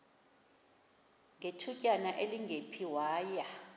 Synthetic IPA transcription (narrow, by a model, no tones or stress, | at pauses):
ŋɡetʰucʼanaʔeliŋɡʱepʰiwaːja